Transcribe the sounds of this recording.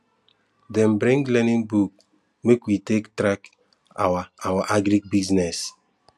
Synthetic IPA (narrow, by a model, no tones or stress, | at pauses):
dɛ̃mbɾĩŋɡlɛnĩŋbuk̚ | mekwitektɾak | a̰waawaʔaɡɾik̚biznɛs